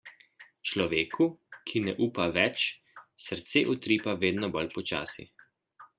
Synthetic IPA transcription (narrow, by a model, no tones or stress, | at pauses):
t͡ʃlɔʋeːkʰukʰinɛʔuːpaʋɛt͡ʃ | səɾt̪seːʔut̪ɾiːpaʋeːd̪nɔbɔlpɔt͡ʃa̰ːsḭ